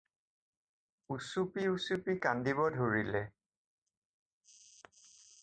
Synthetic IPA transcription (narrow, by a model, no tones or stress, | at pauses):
usupiusupikandibɔdʱoɹilɛ